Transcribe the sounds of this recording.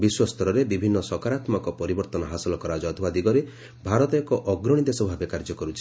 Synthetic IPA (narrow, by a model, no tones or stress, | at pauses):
biswɔst̪ʰɔɾɔɾebibʱinːɔsɔkaɾat̪mɔkɔpɔɾibɔɾt̪ɔnɔɦasɔlɔkɔɾad͡ʒɔːt̪ʰɔbad̪iɡɔɾe | bʱaɾɔt̪ɔekɔʔɔɡɾɔɽ̃id̪esɔbʱabekaɾd͡ʒɔkɔɾut͡ʃʰi̥